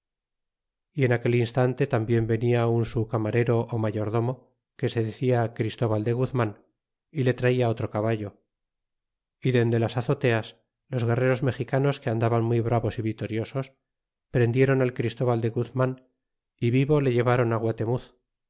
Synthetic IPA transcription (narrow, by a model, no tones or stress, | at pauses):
ie̞nake̞linst̪ant̪e̞t̪ambje̞mbe̞niaunsukamaɾeɾo̞ʔːmaʝo̞ɾðo̞mo̞ | ke̞se̞ðeθiakɾist̪o̞βald̪e̞ɣuθmãn | ile̞t̪ɾaiao̞t̪ɾo̞kaβaʎo̞ | iðe̞nd̪e̞lasaθo̞t̪e̞as | lo̞zɣe̞re̞ɾo̞zme̞xikano̞ske̞and̪aβanmujβɾaβo̞siβit̪o̞ɾjo̞so̞s | pɾend̪je̞ɾo̞nalkɾist̪o̞βald̪e̞ɣuθman | iβiβo̞le̞ʝe̞β̞aɾo̞naɣwat̪e̞muθ